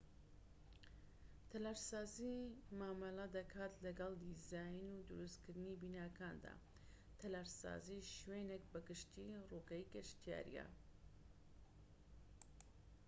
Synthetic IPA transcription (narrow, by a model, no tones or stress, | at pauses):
t̪ʰɐlaɾsaːzimaːmɐlad̪ɐkʰaːt̪lɐɡɑlˠd̪izaːjnud̪uɾuskɨɾd̪ɨnibiːnaːkʰaːnd̪a̰ː | t̪ʰɐlaɾsa̰ːziʃweːnek̚bɐɡɨʃt̪iruɡaikeʃt̪ija̰ːɾḭjɛ̰